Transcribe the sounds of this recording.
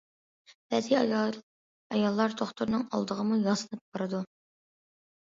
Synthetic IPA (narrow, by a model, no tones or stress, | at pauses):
b̥ɛd̪ij | ɑjɑlˠːɑɾt̪ʰoχt̪uɾnɨŋɑ̰lˠd̪əʁəmujɑsɨnɨp̚b̥ɑɾɨd̪u